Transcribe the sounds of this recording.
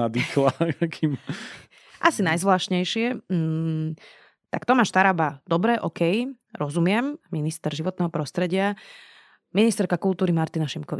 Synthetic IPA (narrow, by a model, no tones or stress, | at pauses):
ad̪ixlakʰim | ʔasinajzʋlaːʃɲɛjʃɪɛ | t̪akt̪ɔmaːʃt̪aɾabad̪̥ɔbɾɛʔɔkɛj | ɾɔzumɪɛmminist̪ɛɾʒiʋɔt̪nɛːɦɔpɾɔst̪ɾɛɟɪa | minist̪ɛɾkakulˠt̪uːɾimaɾt̪inaʃimkɔʋi